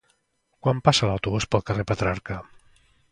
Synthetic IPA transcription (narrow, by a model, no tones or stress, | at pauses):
kwampasəlawt̪uβuspəlˠkərepət̪ɾaɾkə